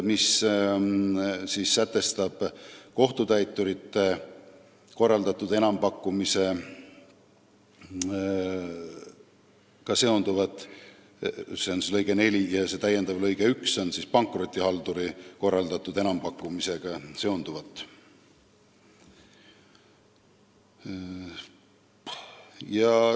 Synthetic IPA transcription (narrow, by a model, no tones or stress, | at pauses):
mis | siːsːæt̪ːˑe̞st̪ɑb̥ko̞ht̪ut̪æjt̪ˑːuɾit̪ːˑe̞ | ko̞rːɑld̪ɑt̪ːˑud̪̥e̞nɑmpɑkːˑumise̞ | kɑse̞ond̪uvɑt̪ːˑ | seonselɤjɡ̥ene̞lʲijɑse̞t̪æjːend̪̥ɑvlɤjɡ̥eykso̞nsispɑŋkˑro̞t̪ʲːˑihɑld̪uɾiko̞rːɑld̪ɑt̪ːˑud̪e̞nɑmpɑkˑːumise̞ɡ̥ɑse̞ond̪uvɑt̪ːˑ | jɑ